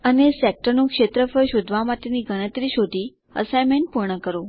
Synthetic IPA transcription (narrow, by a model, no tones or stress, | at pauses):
ənesek̚ʈənũkʃet̪ɾəfəjʃod̪ʱʋamaʈeniɡənət̪ɾiʃod̪ʱi | ə̰sajmeɳʈ̚puɾɳəkəɾo